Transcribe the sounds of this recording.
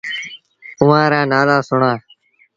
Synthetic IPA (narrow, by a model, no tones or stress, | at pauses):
ʊʋãːɾãːnaːzaːsʊɳãː